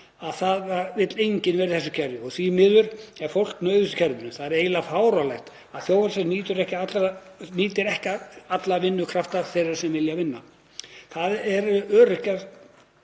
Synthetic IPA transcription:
aðθaðvaɾvɪt̪lejɲcɪnvɛːɾɪθɛsʏ̥cʰɛɾjʏɔɣsimɪðʏɾ̥ɛɾ̥fowl̥knœːɥðʏsɪ̥cʰɛɾðʏnʏθaðɛɾeːjlafaːwɾawlajxt̪ | aðθjowvasɛniːt̪ʏɾɛhcɪat̪l | niːt̪ɪɾɛhcaat̪lavɪnːʏkʰɾaft̪aθejɾaɾ̥sɛmvɪljavɪnːa | θaðɛɾœːɾʏhcaɾ

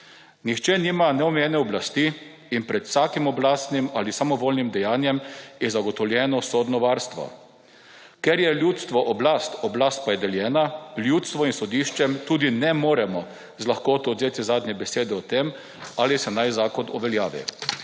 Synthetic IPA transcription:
nixt͡ʃɛniːmanɛɔmɛjɛnɛɔblast̪iː | npɾɛt̪w̥saːkimɔblaːst̪nimalisamɔʋoːlnimd̪ɛjaːnjɛmjɛzaɡɔt̪ɔwlʲjɛːnɔsod̪nɔʋaːɾst̪ʋɔ̰ | kɛɾjɛljut̪st̪ʋɔʔɔblast̪ɔblaːst̪̚pajɛd̪ɛljɛːnaljut̪st̪ʋɔinsɔd̪iːʃt͡ʃɛmt̪uːd̪inɛmoːɾɛmɔ | zlaxkoːt̪ɔd̪zeːt̪izaːd̪nɲɛbɛseːd̪ɛɔt̪em | aːlisɛnajzaːkɔnɔʋɛljaːʋḭ

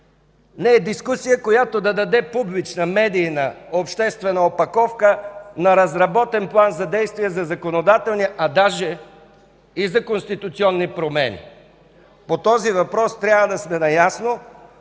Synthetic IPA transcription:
nɛɛd̪iskusijəkojat̪od̪ɐd̪ɐd̪ɛpublit͡ʃnəmɛd̪iːnɐopʃt̪ɛst̪vɛnəopɐkɔfkənɐɾɐzɾɐbɔt̪ɛnplˠanzɐd̪ɛjst̪viɛzɐzɐkonod̪at̪ɛlˠniʔɐd̪aʒɛ | izɐkonst̪it̪ut̪siɔnːipɾomɛ̰nḭ | pot̪ɔzivɐpɾɔst̪ɾʲjabvəd̪ɐsmɛnɐjasno

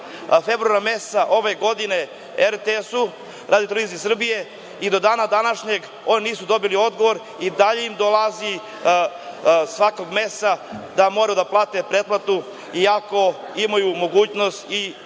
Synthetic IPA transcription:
fe̞bɾuaɾame̞st̪aʔo̞ʋe̞ɡo̞d̪ine̞ | eɾt̪esu | ɾʔaːd̪iot̪olʋiːzisr̩bije̞ | id̪o̞d̪aːnad̪anaʃɲe̞ɡ | o̞niniːsud̪o̞bilio̞d̪ɡo̞ʋo̞ɾ | id̪aʎeimd̪o̞lazi | sʋako̞ɡme̞st̪ad̪amo̞ɾajud̪aplˠaːt̪e̞pɾed̪plˠat̪u | iako̞ | imajumo̞ɡuːt͡ɕno̞st̪i

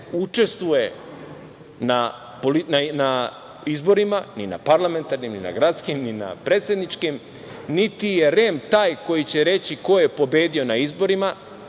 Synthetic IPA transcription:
ut͡ʃe̞st̪vuje̞ | na | polinana | izbo̞ɾimanina̰paɾlˠame̞nt̪aɾnimnḭna̰ɡɾat̪skimnina̰pɾeːt̪sjed̪nit͡ʃkim | nit̪ije̞ɾe̞mt̪aːjko̞jit͡ɕe̞ɾe̞t͡ɕiko̞jepo̞be̞ːd̪io̞naizbo̞ɾima

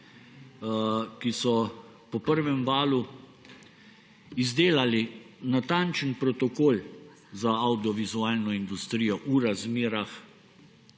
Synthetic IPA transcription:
kisɔ | pɔpəɾʋɛmʋaːlu | izd̪eːlalinat̪ant͡ʃənpɾɔt̪ɔkoːl | zaawd̪iɔʋizuaːlnɔind̪ust̪ɾijɔʔuɾazmeːɾax

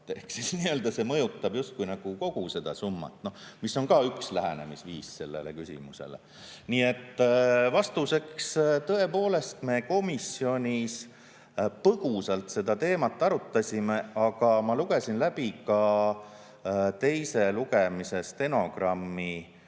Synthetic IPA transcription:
ehksisniø̞ld̪ɑse̞mɤ̞jut̪ˑːɑbjust̪̚kujnɑɡ̥uko̞ɡ̥use̞d̪̥ɑ̰sumːɑ̰t̪no̞misːo̞ŋkɑːykslæɦḛne̞̰misviːsse̞lːḛlḛkysʲḭmusḛlḛ | niːe̞t̪ːvɑst̪use̞kst̪ɤ̞e̞po̞ːle̞st̪me̞ːko̞misːio̞nʲis | pɤɡ̥usɑlt̪se̞d̪ɑt̪e̞ːmɑt̪ːˑɑɾut̪ːɑsʲime̞ɑɡ̥ɑmɑluɡe̞sʲinlæbikɑ | t̪e̞jse̞luɡ̥e̞mise̞st̪e̞no̞ɡ̥rɑmːi

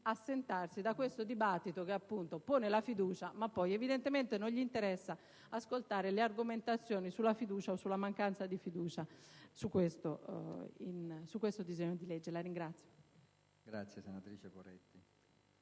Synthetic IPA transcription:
asːent̪arsid̪akwest̪od̪ibat̪ːit̪okeapːunt̪opoːnelafid̪uːt͡ʃamapːɔjɛvid̪ɛnt̪ement̪enoɲʎiːnt̪ɛɾɛsːa | askolt̪aːɾeleaɾɡoment̪at̪sːjɔːnisulːafid̪uːt͡ʃaosːulamaŋkant̪sad̪ifid̪uːt͡ʃasukːwest̪o | ḭnsukːwest̪od̪izeɲːod̪ilɛd͡ʒːelaɾiŋɡɾat̪sːjo̥ | ɡɾat̪sːjɛsenat̪ɾiːt͡ʃepoɾɛ̰t̪ːi

